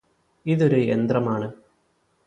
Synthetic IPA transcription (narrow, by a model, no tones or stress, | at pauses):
iðo̞ɾuḛnd̪rɐmaːɳɨ